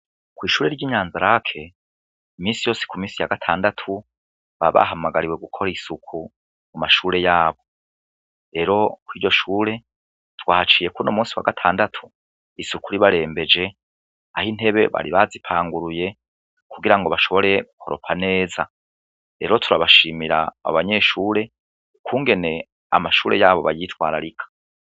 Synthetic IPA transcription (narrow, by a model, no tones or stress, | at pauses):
kwiːʃuːɾe̞ɾɟiːɲaːnzaɾakʰe̞ | imiːnsijo̞ːse̥kumiːnsijaɡatʰaːndatʰu | βa̰βa̰ɦamaɡaɾiwe̞ɡukʰo̞ɾisukʰu | mumaʃuːɾe̞jaːβo̞ | ɾe̞ɾo̞kwiːɾɟo̞ʃuːɾe̞ | twaːhat͡ʃiːje̞kuno̞muːsiwa̰ɡatʰaːndatʰu̥ | isukuɾiβaɾe̞ːmbe̞d͡ʒe̞ | ahin̥e̞βe̞βa̰ɾiβazipʰaːŋɡuɾuje̞ | kʰuɡiɾaŋɡo̞βaʃo̞βo̞ɾe̞ɡukʰo̞̰ɾopʰane̞ːza | ɾe̞̰ɾotʰuɾaβaʃiːmiɾa̰a̰βaɲe̞ʃuːɾe̞ | kuːŋɡe̞ne̞ | a̰maʃuːɾejaːβo̞βajitwaːɾaɾikʰḁ